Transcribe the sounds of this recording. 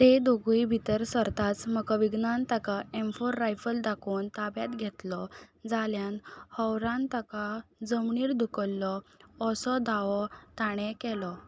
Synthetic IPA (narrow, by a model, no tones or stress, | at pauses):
t̪ed̪oɡujibʱit̪əɾsəɾt̪at͡sməkɔʋiɡnant̪akaemfoɾːajfəld̪akʰoːnt̪abjat̪ɡʱɛt̪lɔd͡zaljanhəwɾãnt̪akad͡zəmɳiːɾd̪ukəlːɔːsɔd̪aʋɔt̪aɳ̃ɛ̃kɛlɔ